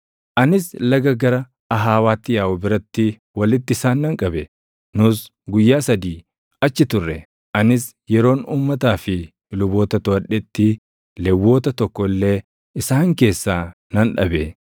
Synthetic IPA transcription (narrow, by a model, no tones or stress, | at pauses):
ʔɐnɪslɐɡɐɡɐɾɐ | ɐɦaːwaːt̪ːɪjaːʔʊbɪɾɐt̪ːɪ | wɐlɪt̪ːɪɪsaːnːɐŋkʼɐbɛ | nʊs | ɡʊjːaːsɐd̪iː | ɐt͡ʃːɪt̪ʊrːɛ | ʔɐnɪs | jɛɾo̞ːnuːmːɐt̪aːfɪ | lʊbo̞ːt̪ɐt̪ʊɐᶑɛt̪ːɪ | lɛwːo̞ːt̪ɐt̪ɔkːɔlːe̞ː | ɪsaːŋke̞ːsːaː | nɐnᶑɐ̰be